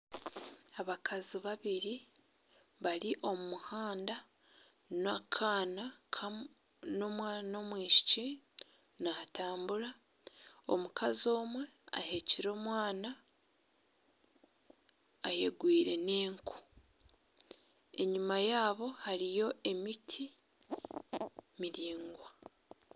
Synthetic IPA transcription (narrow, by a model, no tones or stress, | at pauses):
aβakʰaziβaβiɾi | βaɾiʔo̞mumuhaːnda | nakʰaːnakʰa | no̞mwaːnomwiːʃi̥ci | nataːmbuɾa | o̞̰mukʰazo̞ːmwe̞a̰ɦe̞ciɾo̞ːmwaːna | je̞ɡwiːɾe̞ne̞ːŋkʰu̥ | e̞ɲumajaːβo̞haɾijo̞ʔe̞mitʰi | miɾiːŋɡwa